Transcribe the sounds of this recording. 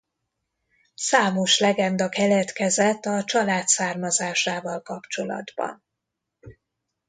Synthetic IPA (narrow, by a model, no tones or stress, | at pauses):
saːmo̞ʃlɛɡɛnd̪ɒkɛlɛt̪kɛzɛt̪ːɒt͡ʃɒlaːt̪saːrmɒzaːʃaːvɒlkɒpt͡ʃo̞lɒ̰d̪bɒ̰n